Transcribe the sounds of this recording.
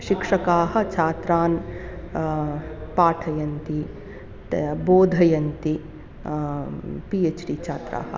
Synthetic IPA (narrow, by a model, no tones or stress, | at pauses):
ʃikʂɐkaːɦɐ̆t͡ʃʰaːt̪ɾaːn | paːʈʰɐjɐnt̪i | boːd̪ʱɐjɐnt̪i | pieːt͡ʃɖit͡ʃʰaːt̪ɾa̰ːɦɐ̰